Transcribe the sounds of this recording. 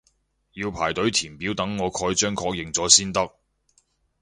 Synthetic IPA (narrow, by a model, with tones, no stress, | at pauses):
jiː˧wpʰaː˨˩jt̪ɵ˨˥ɥt̪ʰiː˨˩npiː˨˥wt̪ɐ˨˥ŋːɔː˨˧kʰɔː˧jt͡ʃœː˥ŋkʰɔː˧k̚jɪ˨ŋt͡sɔː˨˥siː˥nt̪ɐ˥k̚